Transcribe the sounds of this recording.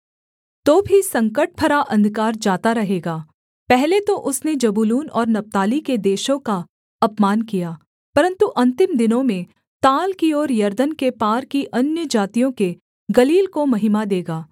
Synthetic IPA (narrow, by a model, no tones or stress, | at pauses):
t̪oːbʱisɐ̃ŋkəʈ̚pʰɐɾaʔɐ̃nd̪ʱkaːɾd͡ʒaːt̪aɾɐɦeːɡaː | pɛɦlet̪oʔʊsned͡ʒɐbuluːnɔ̰ːɾnɐp̚t̪aːliked̪eːʃõka | ɐpmaːnkijaː | pɐɾə̃nt̪uʔɐ̃nt̪ɪmd̪ɪnõmẽ | t̪aːlkiɔːɾjɐɾd̪ənkepaːɾkiʔɐnjəd͡ʒaːt̪ijõke | ɡɐliːlkomɐɦɪmad̪eːɡaː